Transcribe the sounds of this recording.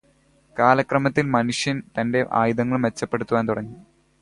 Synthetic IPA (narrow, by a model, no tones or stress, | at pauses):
kaːlɐkrɐmɐt̪ːilmɐnuʂjɐnt̪ɐnde̞ʔa̰ːjuðɐŋːɐɭmʋe̞t͡ɕːɐpːe̞ɽut̪ːuʋaːnt̪uɽɐŋːi